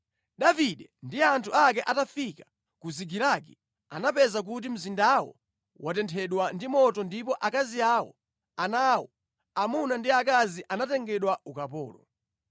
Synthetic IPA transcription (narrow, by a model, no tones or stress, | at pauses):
ɗaviɗɛndiantʰuak̬ɛʔatafikḁ | kuziɡilakɛ | anapɛzak̬ut̬im̩zindawɔ̰ | wʔatɛntʰɛɗwandimɔtɔndipɔʔakaziawɔ̰ | anawɔ | amunandiakaziʔanatɛŋɡɛɗwaukapɔ̰ːlɔ